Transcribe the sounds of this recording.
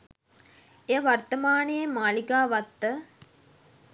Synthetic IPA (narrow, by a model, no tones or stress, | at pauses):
ejəʋart̪əmaːnejəmaːlikaːʋat̪ːə